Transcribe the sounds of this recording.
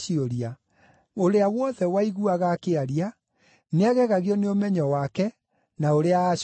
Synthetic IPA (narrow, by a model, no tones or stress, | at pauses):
ioɾia | oɾeawɔðɛwaiɣuaɣakeaɾia | neaɣɛɣaɣiɔneomɛɲɔwakɛ | naoɾeaːʃ